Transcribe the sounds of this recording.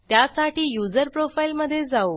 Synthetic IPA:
t̪jasaʈiːjud͡zəɾpɾofailməd̪ʱːjed͡zao

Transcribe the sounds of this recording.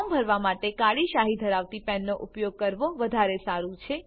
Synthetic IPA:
mbʱəɾʋamaʈekaɽiʃaɦid̪ʱəɾaʋt̪ipɛnːoʔʊpjoɡ̚kəɾʋoʋəd̪ʱaɾesaɾũt͡ʃʰe

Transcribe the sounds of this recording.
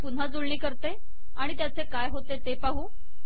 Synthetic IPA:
pun̤ad͡zoɭɳiːkəɾt̪e | aɽ̃it̪jat͡sekajɦot̪et̪epaɦuː

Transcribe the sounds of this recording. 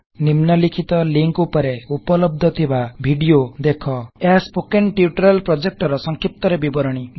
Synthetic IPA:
nimnɔlikʰit̪ɔliŋkupɔɾeupɔlɔb̚d̪ʱɔt̪ʰibabʱiɖiod̪ekʰɔeaspokeɳʈiuʈɾalpɾod͡ʒek̚ʈɔɾɔsɔŋkʰip̚t̪ɔɾebibɔɾɔɽ̃i

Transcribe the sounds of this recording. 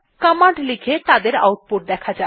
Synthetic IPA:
kamaɖlikʰet̪ad̪eɾa̰wʈ̚poʈ̚d̪ɛkʰad͡ʑa

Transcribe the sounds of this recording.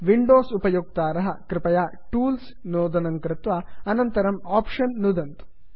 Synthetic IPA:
ʋiɳɖoːsupɐjuk̚t̪aːɾɐɦɐkɾɪpɐjaː | ʈuːls | noːd̪ɐnɐŋkɾɪt̪ʋɐɐnɐnt̪ɐɾɐmaːpʂɐnːud̪ɐnt̪u̥

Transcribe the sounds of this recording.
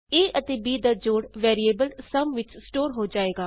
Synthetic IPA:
eːʔət̪eːbiːd̪aːd͡ʒoːɽʋɛːɾieːbəlsəmʋɪt͡ʃsʈoːɾɦoːd͡ʒaːeːɡaː

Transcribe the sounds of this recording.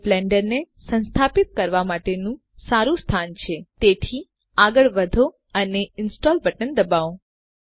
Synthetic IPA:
blɛɳɖəɾnesə̃nst̪ʰapit̪̚kəɾʋamaʈenũ | saɾũst̪ʰant͡ʃʰet̪et̪ʰi | aɡəɭʋəd̪ʱo | əneɪnsʈɔlbəʈənd̪əbao

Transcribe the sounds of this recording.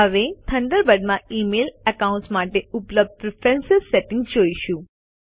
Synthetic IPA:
ɦəʋet̪ʰəɳɖəɾbəɖmãimeləkaũɳʈsmaʈeʊpləb̚d̪̚pɾɪfɛ̃nsɪsseʈɪ̃ŋɡd͡ʒoiʃũ

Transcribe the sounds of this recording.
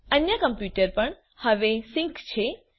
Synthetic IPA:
ənjəkəmpjuʈəɾpəɳ | həʋesɪ̃ŋkt͡ʃʰe

